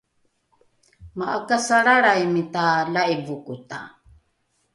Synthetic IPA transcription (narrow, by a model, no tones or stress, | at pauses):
maʔakasaɺaɾajmit̪alaʔibukut̪a̰